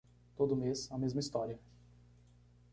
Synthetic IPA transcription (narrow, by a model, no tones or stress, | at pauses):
t̪od̪ʊmesɐmezmɐist̪ɔɾiɐ